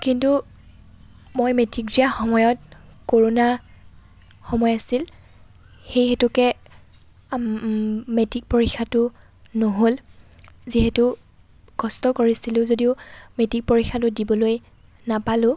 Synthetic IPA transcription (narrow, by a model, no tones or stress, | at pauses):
kintu | mojmetiɡɹiaxɔmɔjɔt̚koɹona | xɔmɔjasil | xejxɛtʊkɛ | metik̚poɹikʰːatʊ | noɦol | ziɦɛtʊ | ɡ̥ɔstɔkoɹisilʊ̃zodiʊmetik̚poɹikxʰːatʊdibɔloj | napalʊ̃